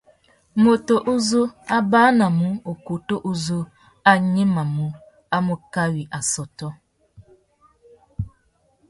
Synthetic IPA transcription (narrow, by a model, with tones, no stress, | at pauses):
mo˨to˨ʔu˦zu˦a˦baː˦na˨mu˦o˨ku˨to˦ʔu˦zu˦ | a˦ɲe˦ma˨mu˦ | a˦mu˨ka˦wi˨ʔa˨sɔ˨tɔ˦